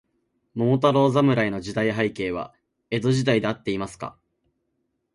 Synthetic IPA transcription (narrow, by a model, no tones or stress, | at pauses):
mo̞t̪aɾo̞ːzamɯ̟ɾaino̞ʑid̪aiɦaike̞ːβa̰ | e̞d̪o̞ʑid̪aid̪e̞at̪ːe̞imasɨ̥ka̰